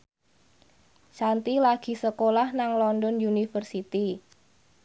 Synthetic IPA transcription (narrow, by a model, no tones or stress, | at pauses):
t͡ʃant̪ilaɡ̥i̤səkolahnaŋlɔndɔnjunifərsit̪i